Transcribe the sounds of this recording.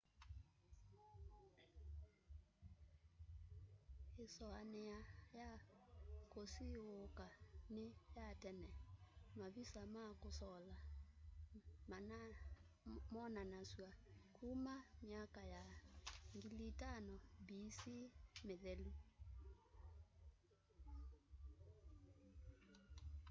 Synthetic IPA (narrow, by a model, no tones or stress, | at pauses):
esɔanejaja | kosiokanejatɛnɛmaβisamakosɔla | man | mɔnanaswakʰumamiakajaŋɡilitanɔbisimeðɛlu